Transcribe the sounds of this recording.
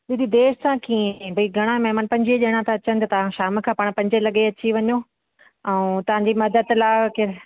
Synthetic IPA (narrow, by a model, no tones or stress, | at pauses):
ɗid̪id̪eːʃsãkiẽbʱɐiɡʱɐɽ̃ãmɛɦmaːnpɐ̃ɲd͡ʑieɗeːɽ̃ãt̪ɐɐt͡ɕənɪt̪ɐt̪ɐʋãʃaːmkʰãːpaːɽ̃pɐ̃ɲd͡ʑelɐɠeɐt͡ɕiʋɐɲo | ɛ̃t̪ɐʋ̤ãːɲd͡ʑimɐd̪əd̪laːkɪɾ